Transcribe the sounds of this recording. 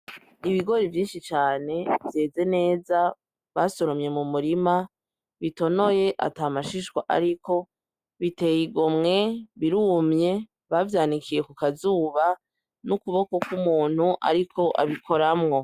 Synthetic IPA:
iβiɡo̞ɾivjiːnʃit͡ʃaːne̞vje̞ːze̞ne̞ːza | βaso̞ɾomɲe̞mumuɾima | βito̞no̞je̞ʔa̰tamaʃiʃwaʔa̰ɾiko̞ | βite̞jiɡomŋe̞βiɾuːmɲe̞ | βavjaːnikije̞kukazuːβa | nukuβo̞ko̞kumuːn̥huʔa̰ɾikʰo̞ʔa̰βikʰo̞ɾamŋo̞

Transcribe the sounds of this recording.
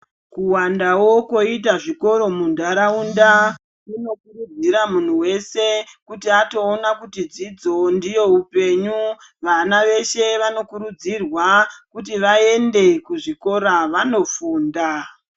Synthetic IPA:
kuwandawo̞ko̞itaʐiko̞ɾo̞mundʱaɾaunda | kuno̞kurud͡ziɾamun̤uwe̞se̞kutiato̞ːnakutid͡zid͡zo̞ndijo̞upe̞ɲu | ʋanaʋe̞ʃe̞ʋano̞kuɾud͡zirwakutiʋae̞nde̞kuʐiko̞ɾaʋano̞fuːnda

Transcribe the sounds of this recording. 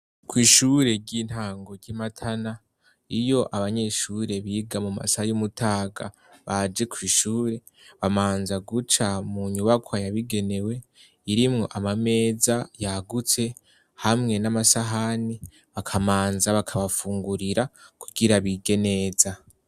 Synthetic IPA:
kwiːʃuɾe̞ɾɟin̥haːŋɡo̞ɾɟimatʰana | ijo̞ʔaβaɲe̞ʃuɾe̞βiːɡamuma̰sahajumutʰaːɡa̰ | βad͡ʒe̞kwiːʃuːɾe̞ | βamaːnzaɡut͡ʃamuɲuβakʰwajaβiɡe̞ne̞we̞ | iɾimŋo̞̰ʔamame̞ːzajaɡut͡se̞ | hamŋe̞namasaɦani | βakʰamaːnzaβakʰaβafuːŋɡuɾiɾakuɡiɾaβiɡe̞ne̞ːza

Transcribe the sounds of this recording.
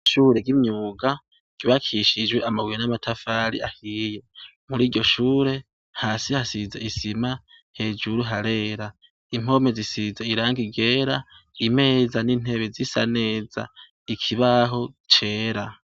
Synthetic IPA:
ʃuːɾe̞ɡimɲuːɡa | ɟ̥uβakʰiʃid͡ʒweʔamawiɾenamatʰafaɾḭahije̞muɾiːɾɟo̞ʃuːɾe̞ | haːsihasizeisima | he̞ːd͡ʒuɾuɦaɾe̞ːɾa | im̥o̞me̞zisizeiɾaːŋɡiɡeːɾa | ime̞ːzaniːn̥e̞βezisa̰ne̞ːza̰ | ikʰiβaɦo̞ | t͡ʃe̞ːɾa

